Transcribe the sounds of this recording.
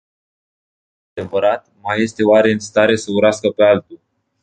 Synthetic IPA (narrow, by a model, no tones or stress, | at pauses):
ad̪e̞vəɾat̪̚maje̞st̪e̞oaɾe̞ɨnst̪aɾe̞səuɾaskəpe̞alt̪u